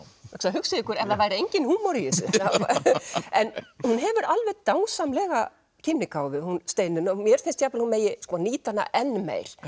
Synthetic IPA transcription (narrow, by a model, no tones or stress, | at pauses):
ɛksaɦʏksɪðɪkʏɾɛvɾavaːjɾɪejɲcɪnhuːmɔɾijɪsʏ̰aw | ɛnhunɦɛvʏɾalvɛðt̪aːwsamlɛɣa̰ | cʰɪnːɪkaːwvɪðhunst̪ejnʏnamjɛɾ̥θɪnst̪çaːplɪlhunmeːjɪskɔniːt̪ana̰ʔɛnːmḛːjɾ̥